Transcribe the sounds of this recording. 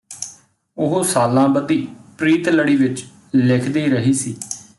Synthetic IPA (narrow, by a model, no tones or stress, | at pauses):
ʊɦosaːlãːbət̪iːpɾiːt̪ləɽiːʋɪt͡ʃ | lɪkʰd̪iːɾəɦiːsiː